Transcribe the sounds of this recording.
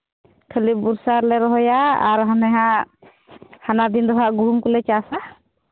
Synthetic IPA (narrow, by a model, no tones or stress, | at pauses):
kʰəlibuɾsaɾlɛɾɔɦɔjaaɾɦanɛɦã | hanad̪ind̪ɔɦaʔɡuɦumkulɛt͡ʃasa